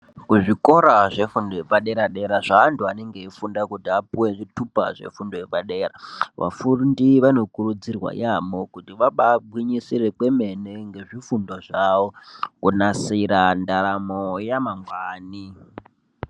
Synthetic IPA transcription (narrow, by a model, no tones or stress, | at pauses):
kuʐiko̞ɾaʐe̞fundojepaɗe̞ɾaɗe̞ɾaʐaːntuane̞ŋɡeifundakutiapuwe̞ʐitupaʐe̞̰fundoepaɗe̞ːɾa̰ʋa̰fundiʋano̞kurud͡zirwa̰jamo̞kutiʋaɓabwiɲisire̞kwe̞me̞ne̞ŋɡe̞ʐifundoʐawokunasiɾandaɾamojamaŋɡwaːni